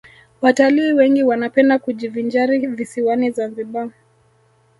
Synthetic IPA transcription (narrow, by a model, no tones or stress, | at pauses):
wataliːwɛŋɡiwanapɛndakud͡ʒivind͡ʒaɾivisiwanizaziɓa